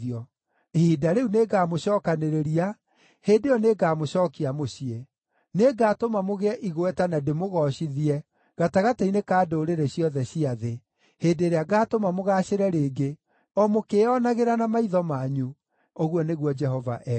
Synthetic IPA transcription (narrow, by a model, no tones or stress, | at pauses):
ɔ | hidaɾeuneɡaːmoɕɔːkaneɾeɾia | heːdejɔneɡaːmoɕɔːkiamoɕie | neɡaːtomamoɣeɛʔiɣowɛtanademoɣɔɕiðiɛ | ɣataɣatainekaːdoːɾeɾeɕjɔðɛɕiaðe | hedeːɾeaɡaːtomamoɣaɕeɾɛɾeːɡe | ɔmokeɔnaɣeɾanamaiðɔmaɲu | oɣwɔneɣwɔd͡ʒɛɦɔva̰ʔɛ